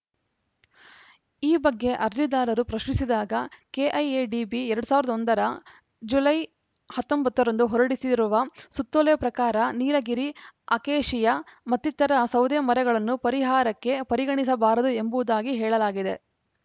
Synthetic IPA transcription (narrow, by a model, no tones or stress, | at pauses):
iːbɐɡːe̞ʔɐɾlid̪aːlɐɾupɾɐʃɳisid̪aːɡɐkeʔɐjeɖibiɛɾɐɽusaːʋiɾɐd̪ɐond̪ɐɾɐ | d͡ʒulɐj | hɐt̪ːombɐt̪ːɐɾɐnd̪uɦɔɾɐɽisiɾuʋɐsut̪ːolɛjɐpɾɐkaːɾɐniːlɐɡiɾiɐkeːʃijɐmɐt̪ːit̪ːɐɾɐsɐwd̪emɐɾɛɡɐɭɐnːupɐɾiɦaːɾɐkːe̞pɐɾiɡɐɳisɐbaːɾɐd̪ue̞mbuʋud̪aːɡiɦɛːɭɐlaːɡid̪e̞̰